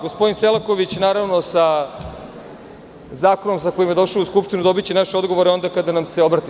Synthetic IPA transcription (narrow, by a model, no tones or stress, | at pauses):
ɡospod̪inselako̞ʋit͡ɕnaːɾaʋno̞sa | zaːko̞nomsakojimje̞d̪o̞ʃaːuskupʃt̪inud̪o̞bit͡ɕenaʃeo̞d̪ɡoʋoɾeo̞nd̪akad̪anamse̞o̞bɾat̪i